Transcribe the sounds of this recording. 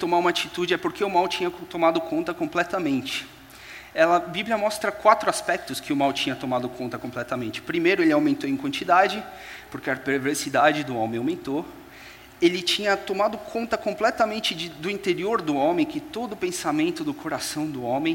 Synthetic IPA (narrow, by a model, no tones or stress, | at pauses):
t̪omaũmɐat͡ʃit̪ud͡ʒɪɛpoɾkeʊmawt͡ʃĩɲɐt̪omad̪ʊkʰõnt̪ɐkõmplɛt̪ɐmẽnt͡ʃɪ̥ | ɛlɐbibliɐmɔst̪ɾɐkwat̪ɾʊaspɛk̚t̪ʊskɪʊmawt͡ʃĩɲɐt̪omad̪ʊkõnt̪ɐkõmplɛt̪ɐmẽnt͡ʃɪ̥pɾimejɾʊelɪawmẽnt̪oẽkwɐ̃nt͡ʃid̪ad͡ʒɪ | poɾkeɐpeɾveɾsid̪ad͡ʒɪd̪ʊõmẽj̃awmẽnt̪o | elɪt͡ʃĩɲɐt̪omad̪ʊkʰõnt̪ɐkõplɛt̪ɐmẽnt͡ʃɪd͡ʒɪd̪ʊĩt̪eɾioɾd̪ʊõmẽj̃kɪt̪od̪ʊːpẽsamẽnt̪ʊd̪ʊkʰoɾasɐ̃w̃d̪ʊõmẽj̃